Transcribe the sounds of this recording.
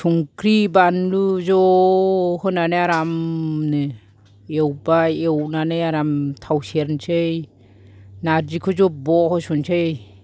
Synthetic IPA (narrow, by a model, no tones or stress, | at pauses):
sʰuŋkʰɾibanluzɔ | hɯnanɯaɾamnɯ | ewbaewnanɯaɾamtʰawseɾnt͡ʃʰɯj | naɾd͡ʒikʰɯzɔbɔhɔsunt͡ʃʰej